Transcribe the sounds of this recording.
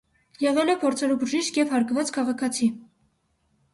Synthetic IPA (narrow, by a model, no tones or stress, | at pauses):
jɛʁɛlɛpʰɔɾt͡sʰɑɾubəʒiʃkjɛvhɑɾkvɑt͡skʰɑʁɑkʰɑt͡sʰi